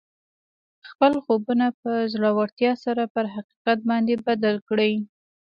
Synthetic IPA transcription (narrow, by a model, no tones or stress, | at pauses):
xpəlxobunapəzlɑwaɾt̪jɑsaɾapəɾɦaqi̥qat̪̚bɑnd̪ebad̪alkɽəj